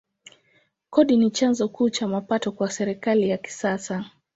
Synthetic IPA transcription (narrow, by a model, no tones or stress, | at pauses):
kɔɗinit͡ʃanzɔkuːt͡ʃamapatɔkwasɛɾɛkalijaki̥sasa